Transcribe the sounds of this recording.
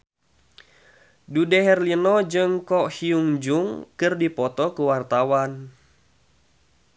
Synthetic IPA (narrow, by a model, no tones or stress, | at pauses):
dudɛɦɛrlinɔd͡ʒɨŋkɔhiuŋd͡ʒuŋkɨrdipɔt̪ɔkuwart̪awan